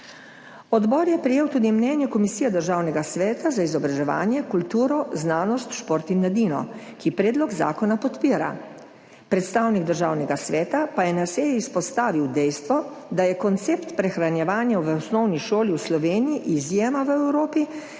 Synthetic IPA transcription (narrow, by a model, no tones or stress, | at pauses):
ɔd̪bɔːɾjɛpɾɛjeːwt̪uːd̪imnɛnjɛkɔmisijɛd̪əɾʒaːwnɛɡasʋɛːt̪azaizɔbɾaʒɛʋa̰ːnjɛkult̪uːɾɔznaːnɔst̪ʃpoːɾt̪inːad̪iːnɔ̰ | kipɾeːd̪lɔɡza̰ːkɔnapɔt̪piːɾa̰ | pɾɛt̪st̪aːwniɡd̪əɾʒaːwnɛɡasʋɛːt̪apajɛnaseːjɛispɔst̪aːʋiwd̪ɛjst̪ʋɔ | d̪ajɛkɔnt̪seːpt̪pɾɛxɾanjɛʋaːnjaʋəɔsnɔwniʃoːliwslɔʋeːnijiʔːzjeːmaʋəɛwɾoːpi